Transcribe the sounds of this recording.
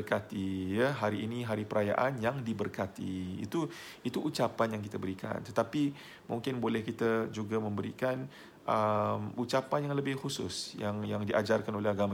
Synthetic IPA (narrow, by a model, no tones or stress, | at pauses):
rkat̪ijəɦaɾiinĩɦaɾipəɾʔaja̰ʔanjaŋdibərkat̪ḭːt̪u | it̪uʔːt͡ʃapanjaŋkit̪əbəɾikʰa̰nt̪ə̥t̪api | mṵŋkɪnbolɛhkit̪ad͡ʒuɡamə̃mbəɾḭkan | ʔəmut͡ʃapanjaŋləbɪhxusʊ̰sjaŋjaŋdiʔad͡ʒarkanolɛɦaɡamã